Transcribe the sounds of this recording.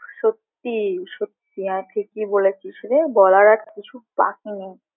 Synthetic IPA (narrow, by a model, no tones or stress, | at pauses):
ʃot̪ːiʃot̪ːiɦat̪ʰekibolet͡ɕʰiʃelebɔlaɾaɾkit͡ɕʰupa̰kni